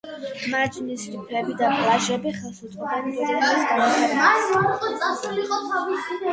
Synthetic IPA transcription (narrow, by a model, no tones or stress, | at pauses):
mad͡ʒnisɾipʰɛbid̪apʼlˠaʒɛbiχɛlˠsut̪ʼqʼaniɛd̪iaisɡaɔɛasaɾiqʼɔt̪sʼasuliqʼɔt̪ʰavisi